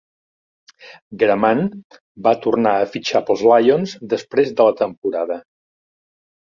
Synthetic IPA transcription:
ɡɾəman | bat̪urnaəfit͡ʃapəlˠzlajonzd̪əspɾezðələt̪əmpuɾaðə

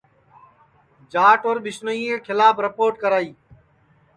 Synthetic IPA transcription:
d͡ʒaːʈoːɾɓɪsnəiːẽːkʰɪlaːbɾəpoːɾʈkəɾaːiː

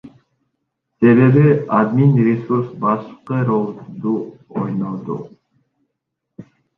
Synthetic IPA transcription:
se̞βe̞βiad̪minɾesuɾsbɑʃqɯɾolˠd̪uojnɑd̪ṵ

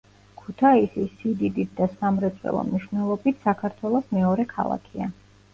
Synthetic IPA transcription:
kʰut̪ʰaisisːid̪id̪it̪̚d̪asamɾɛt̪sʼwɛ̰lˠɔ̰mniʃwvnɛlˠɔbit̪ʰsakʰaɾt̪ʰwɛlˠɔsmɛɔɾɛkʰa̰lˠa̰kʰia

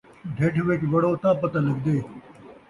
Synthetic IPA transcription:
ɖʱeʈʰʋekʋɐɽoːt̪ãːpɐt̪ɐlɐɡd̪eː

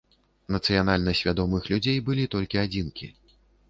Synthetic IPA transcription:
nɐt̪sɨjanalʲnɐsʲvʲad̪ɔmɨxlʲud͡zʲejbɨlʲit̪ɔlʲkʲiad͡zʲinkʲḭ

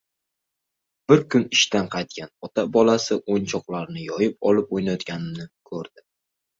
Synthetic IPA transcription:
b̥ɪɾkʰʊnɪʃt̪anqʰɑjt̪̚kʲanɒt̪ʰabɒlasɪʔont͡ʃʰɒqlˠaɾnɪjɒjɪp̚ɒlɪpojnajɒt̪̚kʲanɪmnɪkʰɵɾd̪̥ɪ

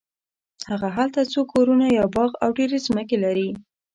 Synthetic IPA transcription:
haɣaɦalt̪at͡sokʰoɾunajɑbɑɣawɖeɾezməkelaɾi

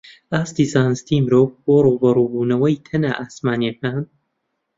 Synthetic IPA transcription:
aːst̪iːzaːnɨst̪imɨɾoːv̚boːruːbɐruːbuːnɐwɐjt̪ʰɐna̰ːʔaːsmaːniɐkaːn

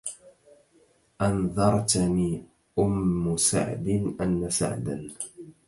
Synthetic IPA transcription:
ʔɑnðˤɑɾˤt̪niː | ʔʊmːʊsa̰ʕd̪ɪnʔanːasa̰ʕd̪a̰n

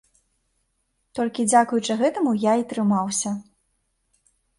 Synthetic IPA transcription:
t̪ɔlʲkʲid͡zʲakujut͡ʂɨɣɛt̪ɐmujait̪ɾɨmawsʲɐ

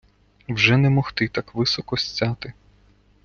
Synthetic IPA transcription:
wʒɛnɛmɔxt̪ɪt̪ɑkʋɪsɔkɔsʲt͡sʲːɑt̪ɪ

